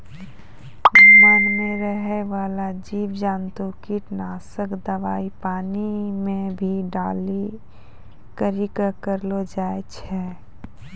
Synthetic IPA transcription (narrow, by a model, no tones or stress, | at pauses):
mənmẽɾəɦeʋaːlad͡ʒiːʋd͡ʒaːnt̪okiʈnaːsəkd̪əʋaːipaːnimẽbʱiɖaːli | kəɾikəkəɾlod͡ʒaːet͡ʃʰɛ